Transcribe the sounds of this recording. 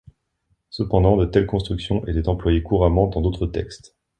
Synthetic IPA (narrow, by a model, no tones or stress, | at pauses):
səpɑ̃d̪ɑ̃d̪ət̪ɛlkɔ̃st̪χyksjɔ̃ʔet̪ɛt̪ɑ̃plwajekuʁamɑ̃d̪ɑ̃d̪ot̪χət̪ɛ̰kst̪